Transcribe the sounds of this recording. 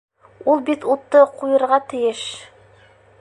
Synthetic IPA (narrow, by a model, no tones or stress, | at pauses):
ulˠbit̪ut̪ːɤqʰujɤ̆ɾʁɑt̪ɘ̆jɘʃ